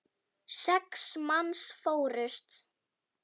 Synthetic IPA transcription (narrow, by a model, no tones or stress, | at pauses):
sɛksmansfoːwɾʏst̪